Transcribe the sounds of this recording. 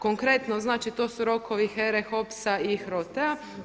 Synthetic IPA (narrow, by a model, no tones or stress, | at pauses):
koŋkɾe̞t̪noznaːt͡ʃit̪o̞ːsuɾo̞kʰoʋixeɾexopsaixɾot̪ea